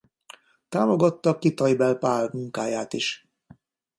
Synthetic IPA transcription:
t̪aːmo̞ɡɒt̪ːɒkit̪ɒjbɛlpaːlmuŋkaːjaːt̪iʃ

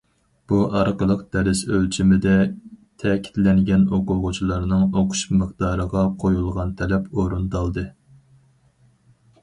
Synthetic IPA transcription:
b̥uʔɑɾqəlˠəqd̪̥ɛɾɪsølt͡ʃʰimɪd̪ɛt̪ʰɛkʲʰi̥t̪lɛŋɡʲɛnoqʊʁʊt͡ʃʰilˠɑɾnɨŋoqʰʊ̥ʃmɨχd̪ɑːɾəʁɑqʰojulˠʁɑnt̪ʰɛlɛpoɾund̪ɑlˠd̪ɨ

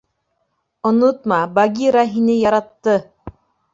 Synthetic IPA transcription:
ŏnot̪mɑbɑɡʲiɾɑɦinɘjɑɾɑt̪ːɤ

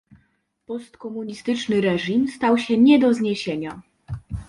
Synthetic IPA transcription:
pɔst̪kɔmuɲist̪ɘt͡ʂnɘɾɛʐimst̪awɕɛɲɛd̪ɔzɲeɕeɲa

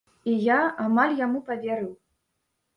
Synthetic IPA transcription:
ijaamalʲjamupɐvʲɛɾɨw

